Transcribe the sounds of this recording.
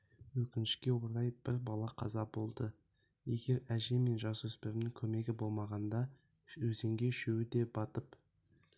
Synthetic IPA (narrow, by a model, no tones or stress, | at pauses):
wɵkʲɪnɪʃkʲe̞woɾɑjb̥ɪɾbɑlˠɑqʰɑ̰zɑbo̞lˠd̪ə | je̞ɡʲe̞ɾæʒe̞me̞nʒɑswɵspeɾɪmnɪŋkʲʰɵme̞ɡʲɪbo̞lˠmɑʁɑnd̪ɑ | wɵze̞ŋɡʲe̞ʃewɪd̪e̞bɑt̪əp